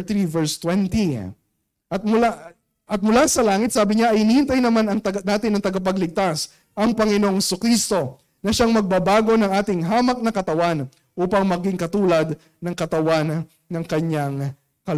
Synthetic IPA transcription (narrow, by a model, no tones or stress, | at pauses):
t̪ɾivɛɹst̪wɛnt̪i | ʔɐt̪̚mʊla | ʔɐt̪̚mʊlasɐlaːŋɪt̪̚saːbɪɲaʔɐjnihɪnt̪ɐjnɐmanɐŋt̪ɐnaːt̪ɪnɐŋt̪ɐɡɐp̬ɐɡlɪɡ̚t̪as | ʔɐŋpɐŋɪnoŋhɛsʊkɾist̪o̞ | nɐʃaŋmɐɡ̚babaːɡo̞nɐŋʔaːt̪ɪŋɦaːmɐk̚nɐkɐt̪ɐwan | ʔuːpɐŋmɐɡɪŋkɐt̪uːlɐd̪ | nɐŋkɐt̪ɐwanː | ɐŋkɐɲaŋ | kɐl